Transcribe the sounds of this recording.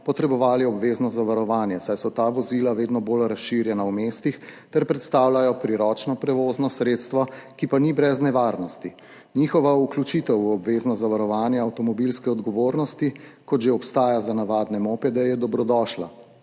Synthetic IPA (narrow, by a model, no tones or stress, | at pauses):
pɔt̪ɾɛbɔʋaːliɔbʋeːznɔzaʋaɾɔʋaːnjɛsajsɔt̪aʋɔzilaʋeːd̪nɔbolɾasʃːiɾjɛnawmest̪ixt̪ɛɾpɾɛt̪st̪awlajɔpɾiɾɔːt͡ʃnɔpɾɛʋoznɔsɾeːt̪st̪ʋakipanibɾɛznɛʋaɾnɔst̪i | nixɔʋauklʲut͡ʃit̪ɛwɔbʋeːznɔzaʋaɾɔʋaːnjɛawt̪ɔmɔbilskɛɔd̪ɡɔʋoːɾnɔst̪ikɔd̪ʒeɔpst̪aːjazanaʋaːd̪nɛmopɛd̪ɛjɛd̪ɔbɾɔd̪ɔːʃla̰